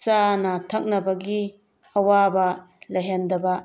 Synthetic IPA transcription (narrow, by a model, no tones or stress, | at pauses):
t͡ʃanɐtʰɐk̚nɐbɐɡi | ɐwabɐ | lɐɦendɐbɐ